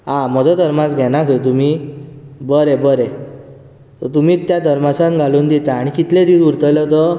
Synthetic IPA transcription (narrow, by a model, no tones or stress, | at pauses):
ɦãm̤ɔd͡zɔd̪ʱəɾmat͡sɡʱɛnakʰət̪um̤i | bəɾɛbəɾɛ | t̪ɔt̪um̤iːt̪jad̪ʱəɾmasãt̪ɡʱaluːnd̪it̪aːɽ̃ikit̪led̪iːsuɾt̪əlɔt̪ɔ